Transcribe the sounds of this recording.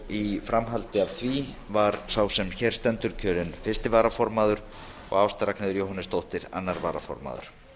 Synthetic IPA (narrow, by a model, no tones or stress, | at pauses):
ifɾamɦalt̪ɪav̥θʰvi | vaɾ̥sawsɛmçɛɾ̥st̪ɛnt̪ʏɾcʰœːɾɪnfɪrst̪ɪvaːɾafɔɾmaːðʏɾ̥ | ɔ̰ɣawst̪aɾaknɪðʏɾjowhanɪst̪owht̪ɪɾa̰nːaɾvaːɾafɔ̰ɾma̰ːðʏ̰ɾ̥